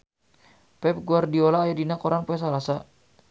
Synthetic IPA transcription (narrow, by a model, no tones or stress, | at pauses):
pɛp̚ɡuardiolaːjadinakoɾanpuas̬alasa